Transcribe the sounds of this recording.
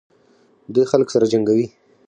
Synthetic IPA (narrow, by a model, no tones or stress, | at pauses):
d̪ujxalksaɾad͡ʒaŋɡawi